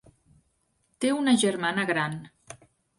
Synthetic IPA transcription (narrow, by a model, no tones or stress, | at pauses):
t̪eunəʒəɾmanəɣɾan